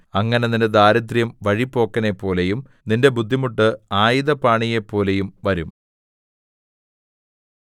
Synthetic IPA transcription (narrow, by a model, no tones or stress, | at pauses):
ɐŋːɐneninded̪aːɾɐd̪rjɐmʋɐɻipːo̞ːkːɐne̞pːo̞ːle̞jum | ninde̞bud̪ʱːimuʈːɨaːjiðɐpaːɳije̞pːo̞ːle̞jumʋɐɾum